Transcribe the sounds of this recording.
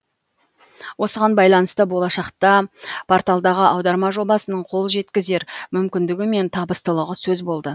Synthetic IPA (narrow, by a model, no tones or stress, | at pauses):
wo̞səʁɑnbɑjlˠɑnəst̪əbo̞lˠɑʃɑqt̪ɑpʰoɾt̪alˠd̪ɑʁəʔɑwd̪ɑɾmɑʒo̞bɑsənəɴqʰo̞lˠʒe̞t̪kʲɪze̞ɾmʏmkʲɪnd̪ɪɡʲɪme̞nt̪ʰɑbəst̪əlˠəʁəsɵzbo̞lˠd̪ə